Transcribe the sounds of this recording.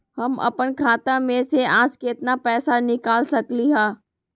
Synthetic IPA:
hɐmɐ̰pənkʰaːt̪ãmẽseãːskeːt̪napɛːsanɪkaːlsɐkliɦaː

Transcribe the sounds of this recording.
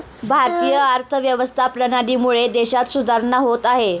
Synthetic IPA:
bʱaɾt̪ijəaɾt̪ʰəʋjəʋəst̪ʰapɾənaɽiːmuɭed̪eɕat̪sud̪ʱaɾnaɦot̪aɦe

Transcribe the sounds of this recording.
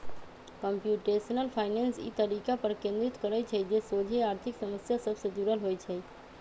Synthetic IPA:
kəmpjuːʈesənəlpʰaːɪnensḭːt̪əɾikapəɾkẽnd̪ɾɪt̪kəɾəjt͡ʃʰɛd͡ʒesod͡ʒʱeaːɾt̪ʰɪksəməsjasəbsed͡ʒ̪uɾəlɦoːjt͡ʃʰɛ

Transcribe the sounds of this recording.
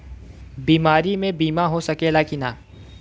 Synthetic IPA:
biːmaːɾimẽbiːmaɦosɐkelaːkinaː

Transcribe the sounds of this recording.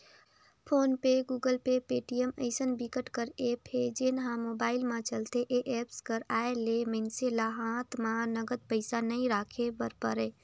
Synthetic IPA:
pʰoːnpeɡuːɡəlpepeʈijəməɪsənbikəʈkəɾepʰed͡ʒenɦãmobaːɪlmãt͡ʃəlt̪eʔeʔepskəɾaeleməɪnselaɦãt̪ʰmãnəɡəd̪̚pəɪsanəɪɾakʰebəɾpəɾe

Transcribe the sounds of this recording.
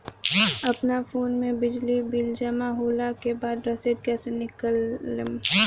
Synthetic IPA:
ɐpnafoːnmẽbɪd͡ʒlibɪld͡ʒəmaɦoːlakebaːd̪ɾɐseʈ̚kɛːsenɪkəlːm

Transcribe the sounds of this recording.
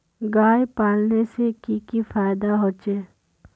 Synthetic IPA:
ɡaːjpaːlnesekikifaːɪd̪aɦoːt͡ʃeː

